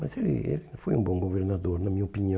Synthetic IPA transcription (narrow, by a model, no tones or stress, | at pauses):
mɐzelɪ̰ḛlifojũbõɡoveɾnad̪oɾnɐmĩɲɐopiniɐ̃